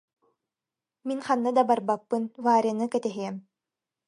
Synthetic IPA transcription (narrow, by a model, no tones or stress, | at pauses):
minχanːɯd̪abaɾbapːɯnvaːɾʲianɯkɛt̪ɛɦiɛm